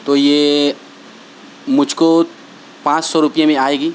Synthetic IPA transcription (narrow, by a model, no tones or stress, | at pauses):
t̪oːjeː | mʊd͡ʒʱko | pãːt͡ʃsɔɾʊpjẽmẽaːeːɡiː